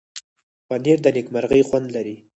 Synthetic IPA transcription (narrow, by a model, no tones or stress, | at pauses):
waniɾd̪ənekmaɾɣəjxwand̪laɾi